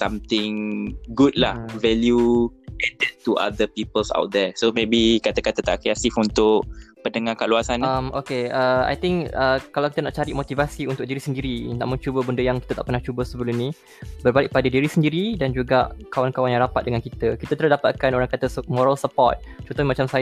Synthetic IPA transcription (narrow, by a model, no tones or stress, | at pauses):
samt̪ɪŋɡud̚la̰hvɛljuɛdɛt̚tːuʔa̰d̪əpipəlsa̰wt̪̚d̪ɛsomebikat̪akat̪ət̪a̰ʔkɾat̪ifunt̪ʊkpəndəŋakaluasanamokeəa̰jt̪ɪŋkəkalawki̥t̪ənaʔt͡ʃaɾiʔmot̪ivasiunt̪ʊk̚diɾisəndiɾina̰ʔmʊ̃ŋt͡ʃubəbəndəjaŋkit̪ət̪aʔpərnaht͡ʃubəsəbəlʊmnĩ | bərbalɪʔ̚padədiɾisəndiɾidand͡ʒuɡaʔkawankawanjaŋɾapat̪̚dəŋankit̪əkit̪ət̪əɾladapat̪̚kanoɾaŋkat̪əsmoɾalsəpɔ̰t̪̚t͡ʃɔ̃nt̪ɔhnmat͡ʃamsa